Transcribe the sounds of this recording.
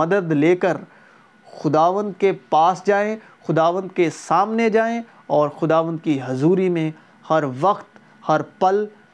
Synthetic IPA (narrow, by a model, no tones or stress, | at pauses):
ɐd̪əd̪leːkəɾ | xʊd̪aːʋə̃nd̪kepaːsd͡ʒaːẽ | xʊd̪aːʋə̃nd̪̚kesaːmned͡ʒaːẽ | ɔːɾxʊd̪aːʋə̃nd̪̚kiɦʊzuːɾimẽ | hɐɾʋɐqt̪ | hɐɾpɐl